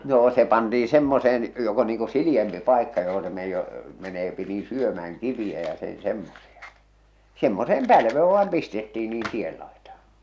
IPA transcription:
noː se pɑntiː semːoseːn jok o niːŋ ku siliempi pɑˑekːɑ joho se me meneːpi niː syømææŋ kiʋij̆æ jɑ sen̞ semːosiɑ semːoseːm pælʋeː ʋɑːm pistetːiː niːn tiel lɑitɑˑhɑ̥

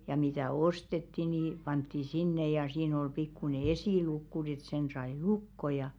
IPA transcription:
jɑ mitæˑ ostetːi ni pɑntːi sinːe jɑ siːn ol pikːune esiˑlukːu n̞ĭ et sen sɑi lukːo jɑ

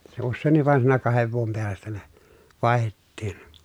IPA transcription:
se usːeˑinˑiʋ ʋɑˑen siːnæ kɑheʋ ʋuom peæstæ ne ʋɑˑi̯hetːiːn

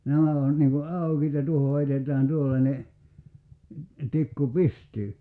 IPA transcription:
næmæ on niŋ ku ɑˑukiːt jɑ tuoho heitetˑæːn tuolːɑnʲe tikːu pistyː

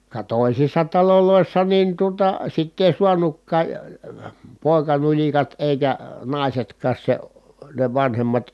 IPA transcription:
kɑ toˑisisːɑ tɑloloˑisːɑ nin tuotɑ sitː eˑi suɑnukːɑː poˑi̯kɑnulʲikɑt eˑikæ nɑˑisetkˑɑːs se ne ʋɑnhemːɑt

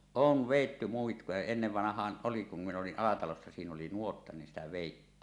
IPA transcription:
oːʋ ʋeˑitːy muikːujɑ enːeʋːɑnɑhˑɑːn ʔoli kum min oliʔ ʔɑlɑtɑlosːɑ siːn oli nuotːɑ nin sitæ ʋeˑitːiːn

